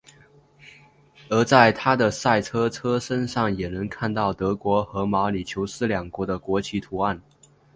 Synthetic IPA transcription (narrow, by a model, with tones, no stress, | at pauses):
ə˞˧˥t͡sa˥˩ɪt̪ʰa˥d̪ə˨sa˥˩ɪʈ͡ʂʰɤ˥ʈ͡ʂʰɤ˥ʂə˥nʂɑ˥˩ŋjɛ˨˩nə˧˥ŋkʰa˥˧nt̪ɑ˥˩ʊt̪ɤ˧˥kwɔ˧˥xɤ˧˥mɑ˧˥ʊli˨˩t͡ɕʰjo˧˥ʊʂɹ̩˥˩ljɑ˨˩ŋkwɔ˧˥d̪ə˧kwɔ˧˥t͡ɕʰi˧˥t̪ʰu˧˥a˥˩n